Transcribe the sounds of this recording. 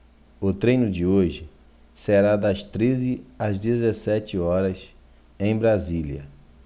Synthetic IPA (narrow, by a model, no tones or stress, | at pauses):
ʊt̪ɾejnʊd͡ʒɪoʒɪ | seɾad̪ɐst̪ɾezɪɐzd̪ezesɛt͡ʃɪɔɾɐs | ẽj̃bɾaziljɐ̰